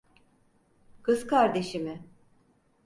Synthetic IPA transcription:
kʰɯzkʰaɾd̪e̞ʃimɪ

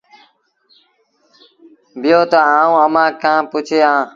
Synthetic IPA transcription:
bɪjoːt̪aaːũːəmãːkãːpʊt͡ʃʰeːãː

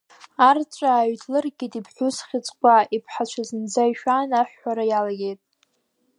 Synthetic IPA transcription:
art͡ʃʷʼaːɥdʰlɨrɡʲɪtʼipʰħʷʊsχʲɪt͡sʼkʷʼaipʰħat͡ʃʷʰazɨnd͡zaiʃᶣanaħːaɾajalaɡʲe̞jtʼ

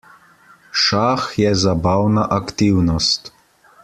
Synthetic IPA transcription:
ʃaːxjɛzabaːwnaʔakt̪iwnɔst̪

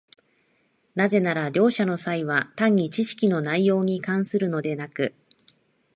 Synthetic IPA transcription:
naze̞naɾaɾʲo̞ːɕano̞saiβ̞at̪ãɲ̟ːit͡ɕiɕi̥kʲino̞naijo̞ːɲ̟ikãɰ̃sɨɾɯ̟no̞d̪e̞nakɯ̟

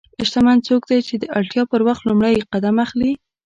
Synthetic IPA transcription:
ɪʃt̪amant͡sok̚d̪ajt͡ʃed̪əʔalʈjɑpəɾwaxt̪lumɽajqad̪amaxli

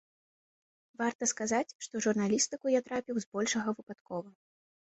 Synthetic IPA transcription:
vart̪ɐskazat͡sʲʂt̪ɔʐurnalʲist̪ɨkujat̪ɾapʲiwzbɔlʲʂɐɣɐvɨpat̪kɔvɐ

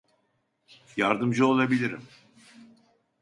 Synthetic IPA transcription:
jaɾd̪ɯmd͡ʒɯo̞lˠabilʲiɾḭm

